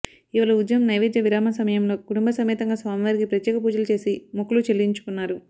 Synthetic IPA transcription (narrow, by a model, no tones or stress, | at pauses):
iʋalɐud̪jɐmnɐjʋed̪jɐʋiɾaːmɐsɐmɐjɐmlo̞ːkuʈumbɐsɐmiːt̪ɐŋɡaːsʋaːmiʋɐɾiɡipɾɐt̪jɛːkɐp̬uːd͡ʒɐlɐt͡ʃe̞ːsimukːulut͡ʃelːiɲt͡ʃu̥kunːaːɾu